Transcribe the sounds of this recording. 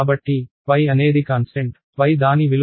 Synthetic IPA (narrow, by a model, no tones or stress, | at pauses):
bɐʈːi | ʋɐjɐne̞ːd̪ikaːnsʈeɳʈ | ʋɐjd̪aːniʋil